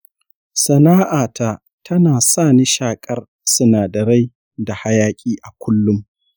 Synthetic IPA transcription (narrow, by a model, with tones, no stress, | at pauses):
sɐ˨naː˦ʔaː˨ta˦˨ | tʰɐ˦naː˨saː˦˨ni˦ʃaː˨kʼɐ˦r | sʊ˦naː˨dɐ˨ɽa˦j | da˨ha˦jaː˦kʲʼiː˦ʔa˨kʷʊ˦lːʊ˦m